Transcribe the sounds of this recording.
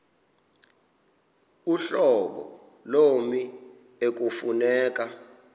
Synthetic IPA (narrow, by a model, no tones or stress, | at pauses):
uɬɔɓɔ̰ | lomi | ek̬ufunɛːk̬ʼa